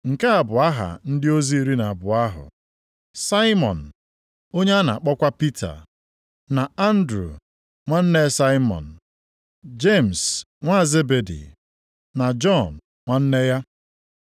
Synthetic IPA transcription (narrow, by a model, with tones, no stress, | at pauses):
ŋ̩˨ka˦a˨bʊ˨a˦ɦa̰˨n̩˦dɪ˦o˦zi˦i˦ɾi˦na˨bʊ˨a˦ɦʊ̰˨ | sa˦ɪ˦mɔ̰˨n̩˨ | o˦ɲe˦a˦na̰˨k͡pɔ˦kʷa˦pi˦tʰa̰˨ | na˨a˦n̩˦dɾṵ˨ | ŋʷa˦n̩˦ne˦sa˦jɪ˦mɔ̰˨n̩˨ | d͡ʒe˦˨m̩˨s | ŋʷa˦˨ze˦be˨dḭ˨ | na˨d͡ʒɔ˦˨n̩˨ | ŋʷa˦n̩˦ne˦ja˦